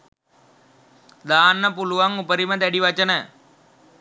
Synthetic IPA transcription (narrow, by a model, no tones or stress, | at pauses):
d̪aːnːɐpuluʋɐŋupɐɾimɐd̪ɐɽiʋɐt͡ʃːɐnɐ